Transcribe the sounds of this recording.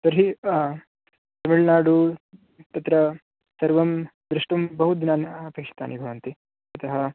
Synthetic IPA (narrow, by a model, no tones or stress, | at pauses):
sɐɾɦi | t̪ɐmiɭnaːɽu | t̪ɐt̪ɾɐ | sɐɾʋɐmd̪ɾuʂʈɐmbɐɦud̪inaːnɐpeːkʂɐ̥t̪a̰ːnibʱɐʋɐnt̪i | ɐt̪ɐɦɐ